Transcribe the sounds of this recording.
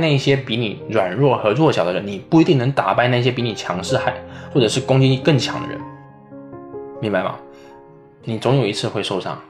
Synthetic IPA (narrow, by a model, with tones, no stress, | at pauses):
na˥˧i˥˩ɕjɛ˥pi˧˥ni˨˩˦ɻwa˨˩nɻwɔ˥˩xɤ˧˥t͡swɔ˥˩ɕjɑ˨˩ʊd̪ə˧˩ə˧˦ni˨˩pu˥˩i˧˥t̪i˥˩ŋnɤ˧˥ŋt̪a˨˩pa˥˧ɪna˥˩ɪ˧˩ɕjɛ˥pi˧˥ni˨˩t͡ɕʰjɑ˧˥ŋʂɻ̩˥˧xa˥˩ɪxwɔ˥˩ʈ͡ʂɤ˨˩ʂɻ̩˥˩kʊ˥ŋt͡ɕi˥i˥˧kɤ˥˩ŋt͡ɕʰjɑ˧˥ŋd̪ə̰˧ɻə̰˧˦n | mi˧˥ŋba˨˧ɪmɐ̰˩ | ni˨˩t͡sʊ˧˥ŋjo˨˩ʊi˧˥t͡sʰɹ̩˥˧xwe˥˧ɪʂo˥˧ʊʂɑ̰˥˩ŋ